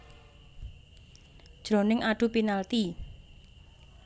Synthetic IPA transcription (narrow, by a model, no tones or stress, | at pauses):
d̥ʒ̥ɾonɪŋaɖ̥ṳpinalt̪i